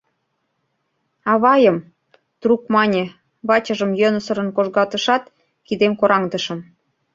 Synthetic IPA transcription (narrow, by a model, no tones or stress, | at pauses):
ɑβɑjəm | t̪ruk̚mɑnʲe | βɑt͡ɕəʒə̆mjønə̆sə̆ɾə̆nkoʒɣɑt̪əʃɑt̪ | kid̪emkoɾɑŋd̪ə̆ʃɤ̆m